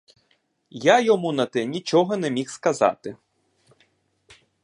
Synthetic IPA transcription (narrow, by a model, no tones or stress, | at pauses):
jajɔmunɐt̪ɛnʲit͡ʃɔɦɔnɛmʲixskɐzɑ̰t̪ɪ